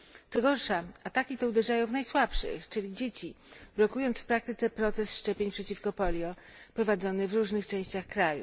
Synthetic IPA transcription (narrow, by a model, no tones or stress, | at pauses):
t̪sɔɡɔɾʂaat̪akʲit̪ɔud̪ɛʐajɔ̃w̃vnajswapʂɘ̰xt͡ʂɘlʲid͡ʑet͡ɕi | blɔkujɔnt̪sfpɾakt̪ɘt̪sɛpɾɔt̪sɛsʂt͡ʂɛpʲjeɲpʂɛt͡ɕifkɔpɔlʲjɔ | pɾɔvad̪zɔnɘvɾuʐnɘxt͡ʂɛ̃w̃ɕt͡ɕaxkɾajṵ